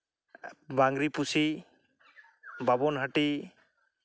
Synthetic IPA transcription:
baŋɡɾipusi | babɔnɦaʈi

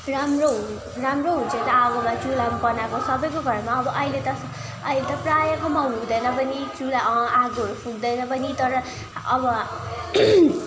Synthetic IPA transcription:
ramroɦu | ramroɦũt͡sʰʌjt̪ʌaɡomat͡sulambʌnakosʌbʌjkoɡʱʌɾmaʌbʌʔʌilet̪ʌ | ʌɦilet̪ʌprajʌkomawnɦũd̪ʌjnʌpʌnit͡sulaaɡɦʌɾupʰuɡd̪ʌjnʌpʌnit̪ʌɾʌ | ʌbʌ

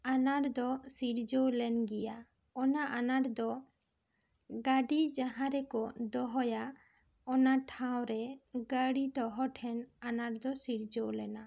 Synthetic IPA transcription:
anaɾd̪ɔsiɾd͡ʒowlɛnɡɛja | ɔnaʔanaɾd̪ɔ | ɡaɖid͡ʒaɦãɾɛkɔd̪ɔɦɔja | ɔnaʈʰaw̃ɾɛɡaɽiʈɔɦɔʈʰɛnanaɾd̪ɔsiɾd͡ʒowlɛna

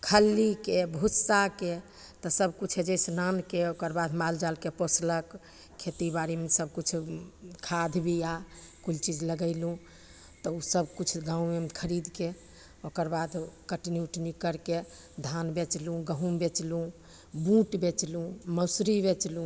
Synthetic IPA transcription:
kʰəlːikebʱusake | t̪əsəbkut͡ʃʰed͡ʒesnankeokəɾbad̪ʱmald͡ʒalkeposlək | kʰːet̪ibaɾimesəb̚kut͡ʃʰkʰad̪ʱbʱijakult͡ʃid͡ʒləɡəɪlũ | t̪ɔusəbkut͡ʃʰɡãũmemkʰəɾid̪ke | okəɾbad̪ʱkəʈinjuʈnikəɾke | d̪ʱanbet͡ʃlũɡəɦũmbet͡ʃlũ | bũʈbet͡ʃlũməsɾibet͡ʃlũ

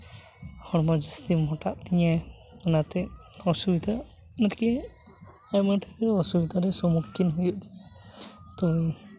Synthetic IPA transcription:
hɔɾmɔd͡ʒast̪imɔʈaʔt̪iɲa | ɔnat̪ɛɔsubid̪a | nɛtkɛ | ajmaʈʰɛkɔsubid̪aɾɛsɔmukʰːinɦujuʔ | t̪ɔ

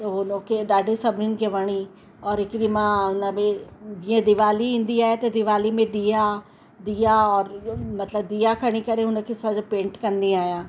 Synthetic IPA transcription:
t̪ɐɦʊnokʰeɗaːɖʱesɐbʱɪnɪnɪ̆kʰeʋɐɽ̃i | ɔːɾɦɪkɪɾimãɦʊnəmẽd͡ʑĩːə̃d̪ɪʋaːliĩːnd̪iaːɦet̪ɐd̪ɪʋaːlimẽɗ̪iːa | d̪iːaɔːɾmɐt̪ləb̚d̪iːakʰɐɽ̃ikɐɾeɦʊnə̆kʰesad͡ʑopẽːɳʈkɐ̃nd̪iaːijãː

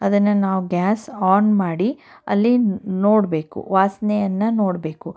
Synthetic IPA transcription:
ɐd̪ɐnːɐnaːʋuɡʲaːsaːnmaːɽi | ɐ̰lːinoːɽbe̞ːkṵʋaːsnɛjɐnːɐnoːɽbeːku

